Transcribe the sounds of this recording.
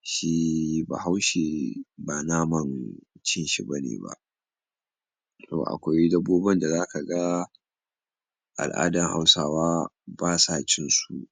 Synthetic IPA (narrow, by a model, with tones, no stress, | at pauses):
ʃi˦ba̰ː˨ɦa˦wʃeː˨baː˨naː˦mɐ˦nt͡ʃɪ˦nʃḭ˨bɐ˦nḛː˨ba̰˨ʔ | to̰ː˨ʔa̰˨kʷa˦jdɐ˦bːoː˦bɐ˦nda˨zaː˦ka˨ɡa˦ | ʔa̰˨lʔa̰ː˦dɐ˨ŋha̰˦wsaː˦waː˦baː˦saː˦˨t͡ʃɪ˦nsu˨ʔ